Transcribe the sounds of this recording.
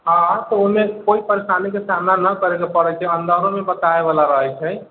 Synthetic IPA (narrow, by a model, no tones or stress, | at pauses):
aaɾt̪ɔomekoipəɾesanikesamnanəkəɾekepəɾɛt͡ʃʰɛənd̪əɾõmebət̪aeβalaɾəɦəjt͡ʃʰɛj